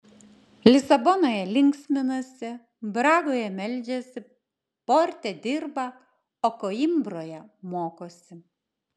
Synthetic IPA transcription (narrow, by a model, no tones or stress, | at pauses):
lʲɪsɐbɔnoːjɛlʲɪŋʲksʲmʲɪnɐsʲɪ | bɾɑːɡoːjɛmʲɛlʲˑd͡ʒʲɛsʲɪ | poɾʲt̪ʲɛd̪ʲɪɾbɐ | okoːɪmbɾoːjɛmoːkoːsʲɪ